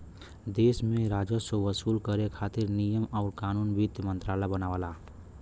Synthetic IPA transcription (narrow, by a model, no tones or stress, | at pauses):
d̪eːsmẽɾaːd͡ʒəsoʋəsuːlkəɾekʰaːt̪ɪɾnijəmɔːɾkaːnuːnbit̪mə̃nt̪ɾaːlabənaːʋala